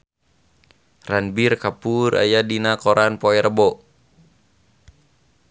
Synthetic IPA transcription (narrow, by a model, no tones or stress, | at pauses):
ranbirkapura̰jadinakɔɾʔanpɔɛɾbɔ